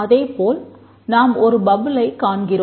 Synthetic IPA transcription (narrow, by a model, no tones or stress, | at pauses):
ɐðeːpoːl | naːmɔɾɯbɐɣɯlɐɪkaːɳɡɪro